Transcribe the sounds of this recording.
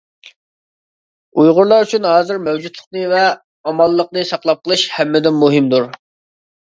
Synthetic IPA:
ujʁʊɾlˠɑɾyt͡ʃʰynɦɑːzɨɾmɛwd͡ʒut̪ʰlˠəqnɨvɛ | ɑmɑlˠːəq̚nɨsɑqlˠɑp̚qəlˠɨʃhɛmːɪd̪ɪnmuɦɪmd̪uɾ

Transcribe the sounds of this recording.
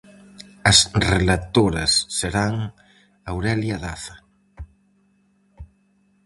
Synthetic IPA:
ɐsrelat̪oɾɐsːeɾaŋ | awɾeljaðaθɐ

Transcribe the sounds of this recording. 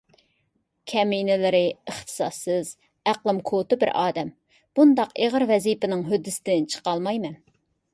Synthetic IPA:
kʲʰɛminɪlɪɾɪəχt̪ʰɨ̥sɑsːɨz | æqlˠɨmkʰot̪ɨbɪɾʔɑ̰ːd̪ɛm | b̥und̪ɑqeʁəɾvɛzipɪnɪŋɦød̪ːɪsɪd̪ɪnt͡ʃʰə̥qɑlˠmɑjmɛn

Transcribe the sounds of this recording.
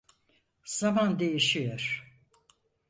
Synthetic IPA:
z̥amand̪e̞jiʃijoɾ̥

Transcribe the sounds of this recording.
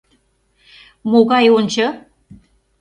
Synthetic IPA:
moɣɑjonʲt͡ɕɤ̆

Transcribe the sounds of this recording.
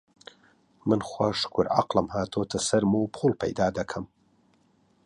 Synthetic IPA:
mɨnχwaːʃkʰʊɾa̰qlˠɨmhaːt̪ʰoːt̪ʰɐsɐɾmuwpʰuːlˠpʰɐ̰jd̪aːd̪ɐkʰɐm

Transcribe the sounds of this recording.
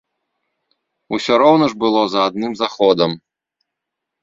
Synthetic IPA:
usʲɔɾɔwnɐʐbɨlˠɔzɐːd̪̚nɨmzaxɔd̪ɐm

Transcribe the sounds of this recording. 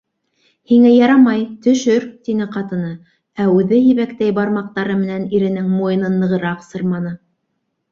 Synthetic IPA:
hiŋæjɑɾɑmɑjt̪ɵ̆ʃɵɾt̪inɘqɑt̪ɤ̆nɤ | æʉðɘɦiβækt̪æjbɑɾmɑq̚t̪ɑɾɤmɘ̆næniɾɘ̆nɘŋmojɤ̆nɤnːɤ̆ʁɤ̆ɾɑqsɤɾmɑnɤ

